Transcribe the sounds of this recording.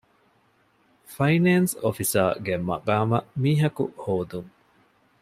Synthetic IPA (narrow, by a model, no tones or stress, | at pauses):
fɐineːnsofisa̰ːɡemɐ̰ɡaːmɐmiːɦɐkṵhoːd̪uŋ